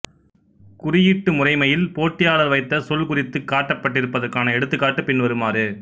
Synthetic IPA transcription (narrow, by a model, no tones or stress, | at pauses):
kʊrɪjɪʈːɯmʊrɐɪmɐjɪlpoːʈːɪjaːɭɐɾʋɐɪt̪ːɐsɔlkʊrɪt̪ːɯkːaːʈːɐpːɐʈːɪɾɯpːɐðɐɾkaːnɐɛɽɯt̪ːɯkːaːʈːɯpɪnʋɐɾɯmaːɾɯ